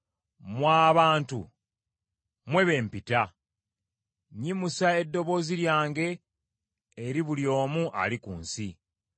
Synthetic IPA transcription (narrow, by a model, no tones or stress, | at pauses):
mwaːβaːntu | mwe̞βe̞ːmpita | ɲimusae̞dːo̞βo̞ːziɾjaːŋɡe̞ː | ɾiβuljo̞ːmuʔa̰likuːnsi